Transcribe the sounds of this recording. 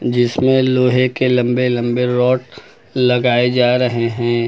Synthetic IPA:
d͡ʒɪsmẽloːɦekelɐ̃mbelɐ̃mbeɾɔːʈ | lɐɡaːed͡ʒaːɾɐɦeɦɛ̃ː

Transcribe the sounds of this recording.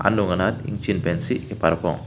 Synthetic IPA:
a̰nːuŋɡɐnalḭŋt͡ʃinpensiepɐɾɐpõ̰

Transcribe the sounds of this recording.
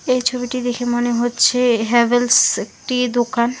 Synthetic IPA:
ejt͡ɕʰobiʈid̪ekʰemoneɦotːʰeɦɛbelsek̚ʈid̪okan

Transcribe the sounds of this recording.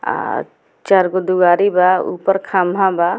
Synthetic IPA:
a̰ | t͡ʃaɾɡod̪uɡaːɾibaṵpəɾkʰamɦãba

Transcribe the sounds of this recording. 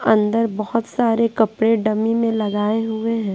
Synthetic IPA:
ɐ̃nd̪əɾbɐhʊt̪saːɾekɐpɽeɖɐmimẽlɐɡaːeɦʊeɦɛ̃ː

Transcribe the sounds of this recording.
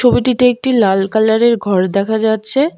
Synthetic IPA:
obiʈiʈiek̚ʈilalkalaɾeɾɡʱɔɾd̪ɛkʰad͡ʑatːɕʰe

